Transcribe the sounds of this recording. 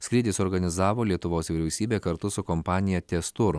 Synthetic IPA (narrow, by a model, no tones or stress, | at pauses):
sʲkʲɾʲɪːd̪ʲɪsɔɾɡɐnʲɪzɑːʋoːlʲiɛt̪ʊʋoːsʋʲɪɾʲɛʊsʲiːbʲeːkɐɾt̪ʊsʊkɔmpɑːnʲɪjɛt̪ʲɛst̪uːɾʊ